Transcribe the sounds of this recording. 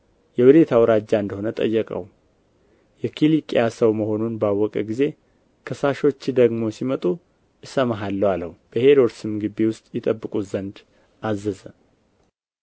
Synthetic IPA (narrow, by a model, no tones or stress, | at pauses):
jɛhud̪e̞t̪ʰawɾad͡ʒːaɨnd̪əho̞nət̪ʼə̰jːəkʼə̰w | jɛkʰilikʼijasəwməho̞nunbawːɔkʼə̰ɡize̞ | kʰəsaʃo̞t͡ʃːd̪əɡmo̞simət̪ʼu | ʔɨsəmaɦalːəwaləhub̥əhe̞ɾoɾsɨmɡɨbiwʊst̪ʼjɪt̪ʼəbːɨkʼuzənd̪ | ʔazəzə